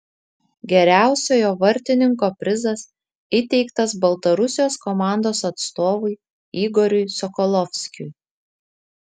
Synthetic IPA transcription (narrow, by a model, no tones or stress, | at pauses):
ɡʲɛɾʲæˑʊsʲoːjoːʋɐɾʲt̪ʲɪnʲɪŋkoːpʲɾʲɪzɐs | ɪt̪ʲɛɪkt̪ɐsbɐlˠt̪ɐɾʊsʲɪjoːskɔmɑˑnd̪oːsɐt̪st̪oːʋʊɪ | iːɡɔɾʲʊjsɔkɔlˠɔfʲsʲkʲʊj